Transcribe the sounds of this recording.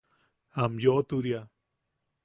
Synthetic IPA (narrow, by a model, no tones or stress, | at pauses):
amjot̪uɾja